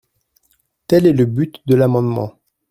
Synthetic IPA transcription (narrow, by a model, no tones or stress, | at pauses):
t̪ɛlɛləbyt̪d̪əlamɑ̃d̪mɑ̰̃